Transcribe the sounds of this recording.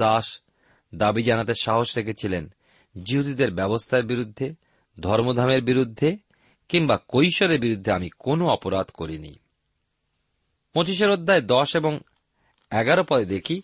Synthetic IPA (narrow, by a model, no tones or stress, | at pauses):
aʃ | d̪abid͡ʑanat̪eʃaɦoʃɾekʰet͡ɕʰilen | d͡ʑiɦud̪id̪eɾbɛbost̪ʰaeɾbiɾud̪ʱːe | d̪ʱɔɾmod̪ʱameɾbiɾud̪ʱːe | kiŋbakojʃoɾeɾbiɾud̪ʱːeamikonoɔpoɾad̪koɾinḭ | motiʃ̬eɾod̪ʱːaed̪ɔʃeboŋ | ɛɡaɾopɔɾed̪ekʰi